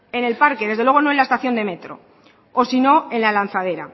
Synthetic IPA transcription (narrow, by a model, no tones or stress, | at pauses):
e̞ne̞lpaɾkeðe̞zðelwe̞ɣ̞o̞no̞enlaest̪aθjo̞nd̪e̞me̞t̪ɾo̞̰ | osino̞e̞nlalan̟θaðe̞ɾa̰